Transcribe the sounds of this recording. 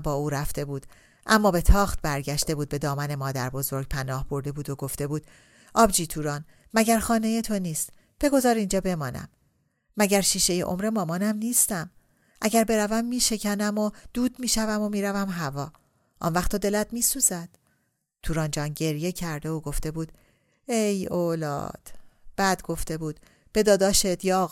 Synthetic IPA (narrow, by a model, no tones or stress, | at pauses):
bɒːuːɾæft̪e̞buːd̪̥ | ʔæmːɒːbe̞t̪ʰɒːχt̪̚bæɾɟæʃt̪e̞buːd̪be̞d̪ɒːmæne̞mɒːd̪æɾbo̞zo̞ɾɡ̚pʰænɒːhbo̞ɾd̪e̞buːd̪oɡo̞ft̪e̞buːd̪̥ | ʔɒːbd͡ʒiːt̪ʰuːɾɒːn | mæɟæɾxɒːne̞jet̪ʰo̞niːst̪ | b̥e̞ɡo̞zɒːɾind͡ʒɒːbe̞mɒːnæ̰mː | æɟæɾʃiːʃe̞jḛʔomɾe̞mɒːmɒːnæmniːst̪æm | ʔæɟæɾbe̞ɾævæmːiːʃe̞cʰænæmod̪̥uːd̪miːʃævæmo̞miːɾævæmɦævɒː | ʔɒ̰nvæxt̪ʰɒd̪e̞læt̪miːsuːzæd̪̥ | t̪ʰuːɾɒːnd͡ʒɒːnɟe̞ɾje̞cʰæɾd̪e̞oɡo̞ft̪e̞buːd̪̥ | ejolɒ̰ːd̪̥b̥æd̪ɡo̞ft̪e̞buːd̪ | b̥e̞d̪ɒːd̪ɒːʃet̪jɒ